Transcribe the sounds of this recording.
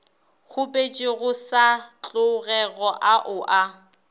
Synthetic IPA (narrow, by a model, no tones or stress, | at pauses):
ɣʊpʼet͡ʃʼɪɣʊsat͡ɬʼʊɣɛɣɔʔaʔʊʔa